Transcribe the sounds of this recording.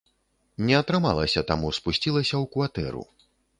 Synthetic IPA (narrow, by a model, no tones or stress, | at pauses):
nʲɛɐt̪ɾɨma̰lˠɐsʲɐt̪amuspusʲt͡sʲilˠɐsʲɐwkvat̪ɛ̰ɾṵ